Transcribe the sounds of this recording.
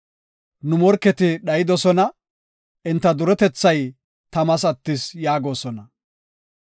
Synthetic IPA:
nʊmɔɾkːɛt̪ɪɗɐjɪd̪ɔsɔnɐ | ʔɪnt̪ːɐd̪ʊɾɔt̪ɛt͡sːɐj | t̪ɐmɐsɐt̪ːɪsjaːɡo̞ːsɔnɐ

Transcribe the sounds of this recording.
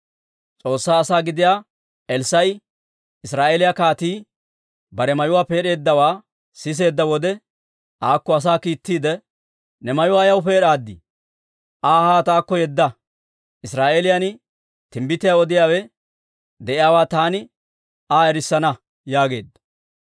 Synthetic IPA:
t͡sʼo̞ːsːaːsaːɡɪd̪ɪjaː | ɛlsɐj | ɪsɾaːʔeːlɪjɐkaːt̪iː | bɐɾɛmɐjʊwaːpe̞ːɾe̞ːd̪ːɐwaː | sɪs̬e̞ːd̪ːɐwɔd̪ɛ | ʔaːkːɔɐs̬aːkiːt̪ːiːd̪ɛ | nɛmɐjʊwaːjɐwʊpe̞ːɾaːd̪ːɪ | ʔaːhaːt̪aːkːɔjɛd̪ːɐ | ʔɪsɾaːʔeːlɪjɐn | t̪ɪmbɪt̪ːɪjawɔd̪ɪjaːwɛ | d̪ɛʔɪjaːwaːt̪aːnɪ | aːɛɾɪsːɐnɐ | jaːɡe̞ːd̪ːɐ

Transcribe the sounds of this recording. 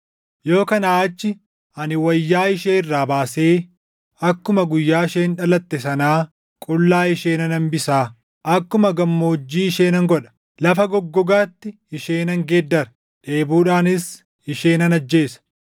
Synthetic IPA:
jo̞ːkɐnaːɐt͡ʃːɪ | ɐnɪwɐjːaːɪʃeːɪrːaːbaːseː | ɐkːʊmɐɡʊjːaːɪʃeːnᶑɐlɐt̪ːɛsɐnaː | kʼʊlːaːɪʃeːnɐnɐnbɪsaː | ʔɐkːʊmɐɡɐmːoːd͡ʒːiːɪʃeːnɐŋɡɔᶑɐ̥ | lɐfɐɡɔɡːɔɡaːt̪ːɪ | ɪʃeːnɐŋɡeːd̪ːɐɾɐ | ᶑe̞ːbuːᶑaːnɪs | ɪʃe̞ːnɐnɐd͡ʒːe̞ːsɐ̥

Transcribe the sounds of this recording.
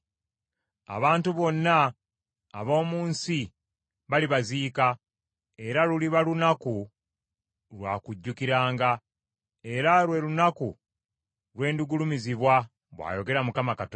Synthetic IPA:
a̰βaːntuβo̞nːa̰ː | βo̞ːmuːnsi | βaliβaziːka | e̞ɾaluliβalunaku | ɾwa̰ːkuɟːukiɾaːŋɡa | e̞ɾalwe̞lunaku | ɾwe̞ːnduɡulumiziβwa | βwa̰jo̞ɡe̞ɾamukamakat

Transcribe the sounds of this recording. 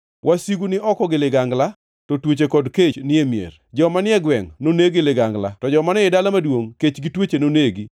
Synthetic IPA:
wʔasiɡunɪɔkɔɡɪlɪɡaŋɡla | tɔtwot͡ʃekɔdket͡ʃnɪemjḛrd͡ʒɔmanɪɛɡwɛŋnoneɡɪlɪɡaŋɡla̰tɔd͡ʒɔmanɛɪdalamadwoŋket͡ʃɡɪtwet͡ʃenoneɡi

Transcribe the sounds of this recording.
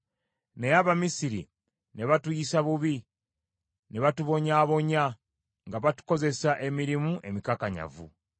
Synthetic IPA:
nejaβamisiɾḭ | ne̞βatujisaβuβi | ne̞βatuβo̞ɲaːβo̞ɲa | ŋɡaβatu̥ko̞ze̞saʔe̞miɾimuʔe̞mikakaɲa̰vṵ

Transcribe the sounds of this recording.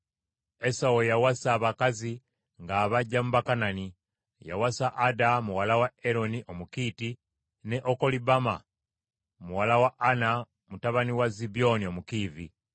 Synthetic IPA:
esawojawasaːβakazi | ŋɡaːβaɟːamuβakanani | ja̰wasaʔːdamuwalawaeɾo̞niʔomukiːti | ne̞ʔoko̞libama | muwalawaʔana | mutaβaniwazibio̞niomukiːvi

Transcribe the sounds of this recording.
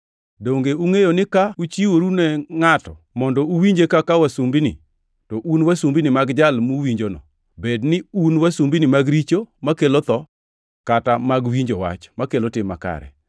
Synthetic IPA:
doŋɡeuŋejonɪkaut͡ʃiwoɾunɛŋatɔ̰ | mɔndɔuwiɲd͡ʒekakawasumbinḭ | tɔʔunwasumbinɪmaɡd͡ʒalmuwiɲd͡ʒonɔ̰ | bednɪunwasumbinɪmaɡɾit͡ʃomakelot̪ɔ | katamaɡwiɲd͡ʒowa̰t͡ʃmakelotɪmːa̰ka̰ɾɛ̰

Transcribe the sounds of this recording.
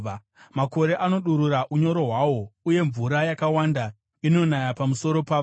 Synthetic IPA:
mako̞ɾe̞ʔano̞ɗuɾuɾaʔuɲo̞ɾo̞ɦwawo̞uje̞ɱvuɾajakawanda | ino̞najapamuso̞ɾo̞paʋ

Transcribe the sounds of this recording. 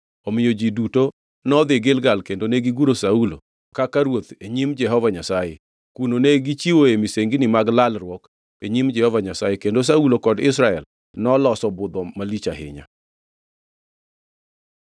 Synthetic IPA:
ɔmɪjod͡ʒiduto | nɔd̪ɪɡɪlɡalkendoneɡiɡuɾosaulo̰ | kakaɾwot̪eɲimd͡ʒɛɦɔvaɲasaje | kunoneɡit͡ʃiwoemiseŋɡinɪmaɡlalrwɔk | eɲimd͡ʒɛhɔvaɲasajekendos̬aulokɔdɪsɾaɛl | nɔlɔsɔbʊd̪ɔmalit͡ʃa̰ɦɪ̰ɲa̰

